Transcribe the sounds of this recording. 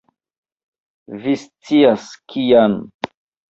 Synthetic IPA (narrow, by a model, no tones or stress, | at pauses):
vist͡siaskʰijan